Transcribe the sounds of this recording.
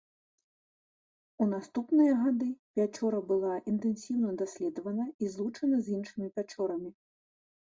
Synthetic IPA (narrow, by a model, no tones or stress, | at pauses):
un̪ast̪upnɨjɐɣad̪ɨpʲat͡ʂɔɾɐbɨlˠaʔint̪ɛnsʲiwnɐd̪asʲlʲɛd̪ɐvɐnɐizlˠut͡ʂɐnɐzʲinʂɨmʲipʲat͡ʂɔɾɐmʲi